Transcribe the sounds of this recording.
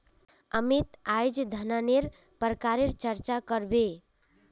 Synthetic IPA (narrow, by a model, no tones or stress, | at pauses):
əmit̪ajd͡ʒd̪ʱənaneɾ | pəɾkaɾeɾt͡ʃəɾt͡ʃakəɾbe